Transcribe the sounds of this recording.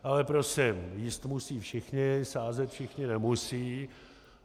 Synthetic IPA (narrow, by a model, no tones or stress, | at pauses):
ʔalɛpɾosɪmjiːst̪musiːfʃɪxɲɪsaːzɛt̪fʃɪxɲɪnɛmusiː